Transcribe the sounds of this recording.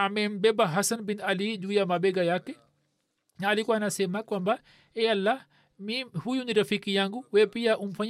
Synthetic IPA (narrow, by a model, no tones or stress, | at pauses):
amɛmbɛbaɦasɐnbinalid͡ʒujamabɛɡajakːɛ | alikwanasɛmakwamba | ɛɐlːa | mihujuniɾɐfikijaŋɡuwɛpijaʔumfaɲ